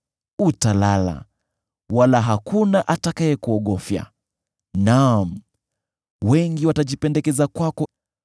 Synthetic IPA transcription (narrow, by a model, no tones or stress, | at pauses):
utalala̰ | walaɦakunaʔatakaɛkuɔɠɔfja̰ | nam̩ | wɛŋɡiwataʄipɛndɛkɛzakwakɔ